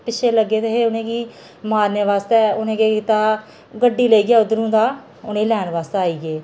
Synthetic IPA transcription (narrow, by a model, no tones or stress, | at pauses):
pɪt͡ʃʰeːləɡːeːt̪eːɦeːʊnẽːɡiː | maːɾneːʋaːst̪eːʊnẽːɡeːkɪt̪aː | ɡəɖːiːləiːɡjaːʊd̪əɾũːd̪aː | ʊnẽːlɛːɳʋaːst̪ːaːiːɡeː